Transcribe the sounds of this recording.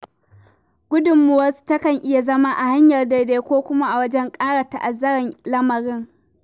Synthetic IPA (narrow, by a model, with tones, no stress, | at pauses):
ɡʷʊ˦dʊ˨mːu˨wɐ˦su̥˦tɐ˦kɐ˨ŋʔɪ˦ja˨zɐ˦ma˦ʔa˨ha˦ɲjɐ˨rda˨deː˦kʷoː˦kʷʊ˦ma˦ʔa˨wɐ˦d͡ʒɛ˦ŋkʼaː˦ɽa˨ta˨ʔa˨zːɐ˦ɽɪ˨nlɐ˦mɐ˨ɽɪ˦ŋ